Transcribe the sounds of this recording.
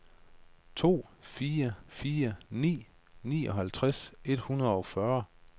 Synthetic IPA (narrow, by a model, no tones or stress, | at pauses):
t͡sʰo̝̰ːfiːɐfiːɐnḭː | nḭːɒ̽ɦælt͡sʰʁase̝d̥hunɐðˠɒ̽fɶɐ